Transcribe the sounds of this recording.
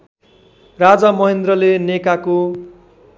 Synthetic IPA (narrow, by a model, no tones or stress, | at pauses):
rad͡zamʌɦend̪rʌlenekako